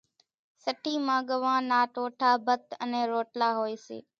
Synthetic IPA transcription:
səʈʰiːmãːɠəʋãːnaːʈoːʈʰaːbʱət̪ənẽːɾoːʈlaːɦoːeːsḛː

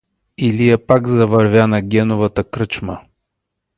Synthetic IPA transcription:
ilijɛpaɡzɐvɐɾvʲjanɐɡʲɛnovət̪əkɾət͡ʃmə

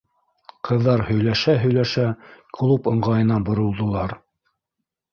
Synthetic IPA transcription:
qɤ̆ðːɑɾhɵ̆jlæʃæɦɵ̆jlæʃæklˠupɤ̆ɴʁɑjɤ̆nɑbŏɾŏlˠd̪ŏlˠɑɾ

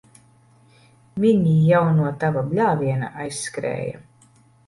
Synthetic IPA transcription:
miɲijawnuɔt̪avablʲaːviɛna̰ʔajsːkɾɛ̰ːja̰

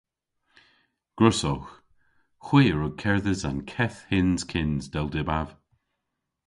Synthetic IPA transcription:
ɡ̥ɹʊsɔwx | xwiːəɹʊɡ̚kʰɛɹðəzankʰɛθhɪnz̥kʰɪnzdɛlˠdɪbav̥

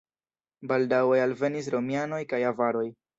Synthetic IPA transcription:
baldawealve̞nis̬ɾo̞miano̞jkajavaɾo̞j

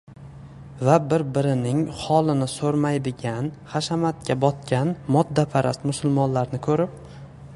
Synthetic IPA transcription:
vabɪɾbɪɾɪnɪŋhɒlˠɪnɪsɵɾmajd̪ɪɡʲanχaʃamat̪̚kʲabɒt̪̚kʲanmɒd̪ːapʰaɾʔa̰st̪mʊsʊlˠmɒnlaɾnɪkʰɵɾɪp̚

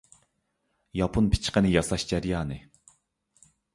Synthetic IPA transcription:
jɑpʰunpʰi̥t͡ʃqənɪjɑsɑʃd͡ʒɛɾjɑːnɨ

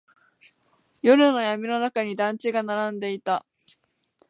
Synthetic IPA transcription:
jo̞ɾɯ̟no̞jamʲino̞nakaɲ̟id̪ãɲ̟t͡ɕiɡanaɾãnd̪e̞it̪a

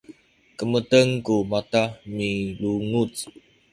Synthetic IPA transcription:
kəmətəŋkumatamiluŋut͡s

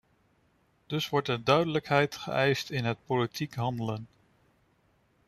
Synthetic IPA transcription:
d̥ɵsʋɔɹtəndœɥdələkɦɛjtχə̰ʔɛjstɪnɦət̚politʰikɦɑndələn

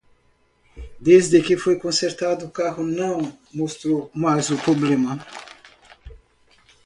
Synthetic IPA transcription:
d̪ezd̪ekɪfojkõnseɾt̪ad̪ukaɣunɐ̃w̃ | most̪ɾomajzupɾoblemɐ

